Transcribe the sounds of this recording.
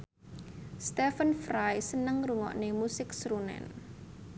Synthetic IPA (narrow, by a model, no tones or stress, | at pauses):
st̪ɛfənfɾajsənəŋruŋɔ̰ʔnemusɪksɾunɛ̰n